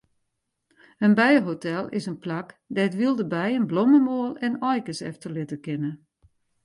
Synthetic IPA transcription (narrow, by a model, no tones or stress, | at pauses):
ənbɛjəɦotʰɛlˠɪ̰sənplak | dɛtʋilˠdəbɛjənbloməmoəlˠɛnɔjkəsɛ̰ftəlɪtəkɪnə